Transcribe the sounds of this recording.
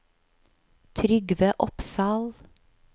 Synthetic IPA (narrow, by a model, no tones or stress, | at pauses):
t̪ʰɾʏɡʋəːʔɔpsɑːl